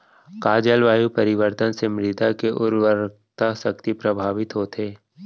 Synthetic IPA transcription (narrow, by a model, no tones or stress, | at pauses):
kaːd͡ʒəlʋaːjupɐɾɪʋəɾt̪ənsemɾɪd̪ʱakeʔʊɾʋəɾ | t̪ʰasɐk̚t̪ipɾɐbʱaːʋɪt̪ɦoːt̪eː